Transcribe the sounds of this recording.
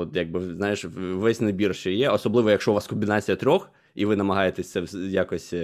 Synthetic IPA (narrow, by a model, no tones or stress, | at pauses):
ɔt̪jaɡ̚bɪznɑjɪʃʋɛsʲnɐbʲirʃt͡ʃɛjɛɔsɔblˠɪʋɔjɐkʃt͡ʃɔʋɑskɔmʲbʲinɑt͡sʲijɐt̪ɾʲɔx | iʋɪnɐmɐɦɑjet̪ɛsʲt̪sɛwjakɔsʲ